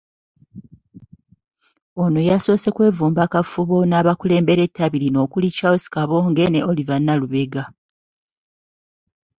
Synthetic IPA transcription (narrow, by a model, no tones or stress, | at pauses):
onojaso̞ːse̞kwe̞ːvuːmbakafuβo̞naβakule̞ːmbe̞ɾe̞tːaβilino̞ːkulicaosi̥kaβo̞ːŋɡe̞neolivanːaluβe̞ɡa